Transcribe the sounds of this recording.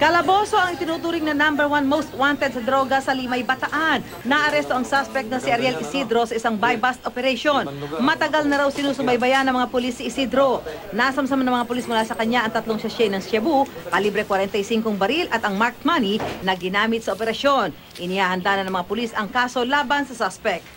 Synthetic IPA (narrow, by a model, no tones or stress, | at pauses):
kɐlɐbo̞so̞ʔɐŋɪt̪ɪnuːt̪uːɾɪŋnɐnambɛɾwanmowst̪̚want̪ɛd̪̚sɐd̪ɾo̞ɡɐsɐlɪmajbɐt̪ɐʔanːɐʔɐɾɛst̪o̞ʔɐŋsaspɛk̚t̪nɐsɪɐɾjɛlʔɪsid̪ɾo̞sɐʔɪsaŋbajbast̪opɛɾɛjʃonmɐt̪ɐɡalnɐɾawsɪnuːsʊmbɐjbɐjanɐŋmɐŋapʊlisɪʔɪsid̪ɾo̞nasɐmsɐmanɐŋmɐŋapʊlismʊlaːsɐkɐɲaʔɐŋt̪ɐt̪loŋʃɐʃɛjnɐŋʃɛbupɐlibɾɛkwɐɾɛnt̪ɐjsiŋkoŋbɐɾilʔɐt̪ɐŋmaɾkmaninɐɡɪnaːmɪt̪̚sɐʔopɛɾɐʃjo̞n | ʔɪnɪhaːhɐnd̪anɐnɐŋmɐŋapʊlisɐŋkaːso̞laːbɐnsɐsaspɛk̪̚